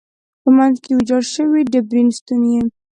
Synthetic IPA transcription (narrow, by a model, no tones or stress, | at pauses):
pəmanzkeud͡ʒɑɾʃəwidəbɾinst̪unje